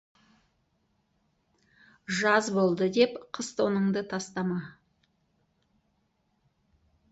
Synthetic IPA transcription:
ʒɑzbo̞lˠd̪əd̪e̞pqʰəst̪ʰo̞nəɴd̪ət̪ʰɑst̪ɑmɑ

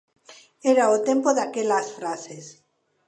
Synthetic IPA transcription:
eɾaot̪empoðakelasfɾases

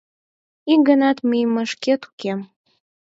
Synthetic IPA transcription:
iŋɡənɑt̪mijməʃket̪u̥kem

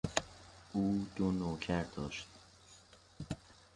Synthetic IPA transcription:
ʔuːd̪̥onoːcʰæɾd̪ɒːʃt̪

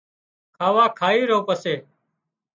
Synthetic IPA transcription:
kʰaːʋaːkʰaːiːɾoːpəseː

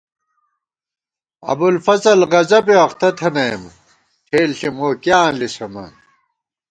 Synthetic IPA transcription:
ɐ̰bulfɐzɐlʁɐzɐbeɐχt̪ɐt̪ʰɐnɐjm | ʈʰeːlɬimoːkjaːnlisɐmɐ̰n

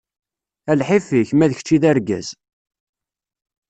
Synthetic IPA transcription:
ælħifiçmæðəçt͡ʃːiðæɾɡæ̰z̥

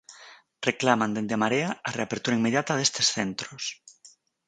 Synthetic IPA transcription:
reklamãnd̪end̪emaɾeaareapeɾt̪uɾaimeðjat̪aðest̪esθent̪ɾos

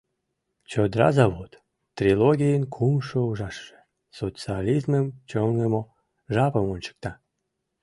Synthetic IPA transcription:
t͡ɕod̪ɾɑ̰zɑβot̪ | t̪rʲiloɣʲijənkʰumʃouʒɑʃːe̥ | sot͡sɨalʲizməmt͡ɕoŋɡəmo | ʒɑpəmonʲt͡ɕə̥k̚t̪ɑ

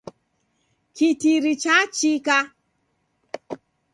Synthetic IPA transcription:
kitiɾit͡ʃat͡ʃika

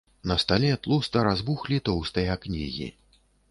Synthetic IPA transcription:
nɐst̪alʲɛt̪lˠust̪ɐɾazbuxlʲit̪ɔwst̪ɐjaknʲḭɣʲḭ

